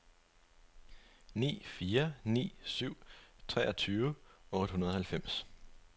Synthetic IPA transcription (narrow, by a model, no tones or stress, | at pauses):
nḭːfiːɐnḭːsyʊ̰t͡sʰʁɛːʔɒ̽t͡sʰyːʋəɔ̽ːɾ̥əhunɐðˠhælfem̰s